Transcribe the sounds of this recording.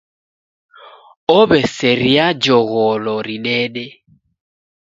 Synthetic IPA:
ɔβɛsɛɾiad͡ʒɔɣɔlɔɾinɛɗɛ

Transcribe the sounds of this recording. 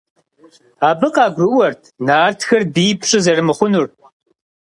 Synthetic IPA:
aːbɨqɑːɡʷrɨwɐrtʰnaːrtʰxɐrbiːpʰɕʼɨzɐrɨmɨχʷʊnur

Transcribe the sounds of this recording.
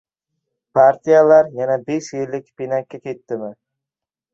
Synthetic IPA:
pʰaɾt̪ʰijalaɾjanabeʃjɪlːɪkʲpinakʲːakʲʰe̞t̪ːɪmɪ

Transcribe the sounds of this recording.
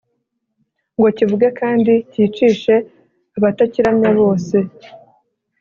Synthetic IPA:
ŋɡo̞civuɡakaːndiciːt͡ʃiːʃe̞ | aβataciɾamɲaβo̞ːse̞

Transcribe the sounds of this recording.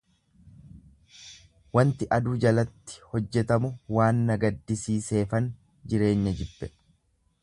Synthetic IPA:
wɐnt̪ɪʔɐd̪uːd͡ʒɐlɐt̪ːɪ̥hɔd͡ʒːɛt̪ɐmʊwaːnːɐɡɐd̪ːɪsiːse̞ːfɐn | d͡ʒɪɾe̞ːɲːɐd͡ʒɪbːɛ

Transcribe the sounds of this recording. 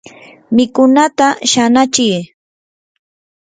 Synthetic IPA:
mɪkʊnat̪aʃanat͡ʃɪj

